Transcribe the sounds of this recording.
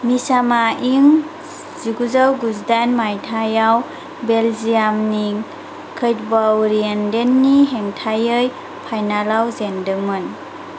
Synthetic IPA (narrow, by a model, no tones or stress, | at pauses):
misamaiŋ | ziɡuzawɡuzdanmajtʰajaw | belzijamni | kʰɯjt̚bawɾiendenːiɦeŋtʰajɯj | pʰajnalawzendɯŋmɯn